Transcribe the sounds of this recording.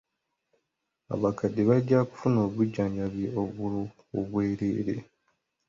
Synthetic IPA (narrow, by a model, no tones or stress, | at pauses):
a̰βakadiβaɟːaku̥funo̞ːβuɟːaːɲɟaβjeoβu | oβwe̞ːɾḛːɾḛ